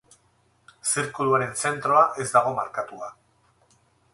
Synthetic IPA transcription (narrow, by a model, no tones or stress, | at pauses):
siɾkuluaɾe̞nse̞nt̪ɾo̞aʔe̞zd̪aɣ̞o̞maɾkat̪ua